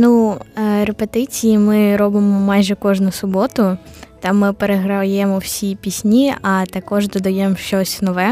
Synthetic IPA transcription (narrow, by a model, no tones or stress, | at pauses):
nuɾepet̪ɪt͡sʲijimɪɾɔbɪmɔmɑjʒɛkɔʒnʊsʊbɔt̪ʊt̪ɑmːɪpeɾeɦɾɐjɛmɔwsʲipʲisʲnʲiɐt̪ɐkɔʒd̪ɔd̪ɐjɛmʃt͡ʃɔsʲnɔʋɛ